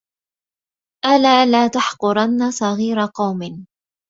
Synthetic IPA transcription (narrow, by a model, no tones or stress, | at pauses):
ʔalaːlaːt̪ɑħqʊɾˤanːasˤɑɣiːɾɑqɑwmɪn